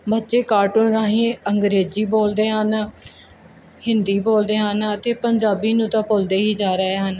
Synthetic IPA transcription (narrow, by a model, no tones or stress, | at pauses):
bətːʃeːkaːɾʈʊnɾaːɦẽːəŋɡɾeːziːboːld̪eːɦən | hɪnd̪iːboːld̪eːɦənət̪eːpəɲd͡ʒaːbiːnũːt̪ãːpʊld̪eːɦiːd͡ʒaːɾəɦeːɦən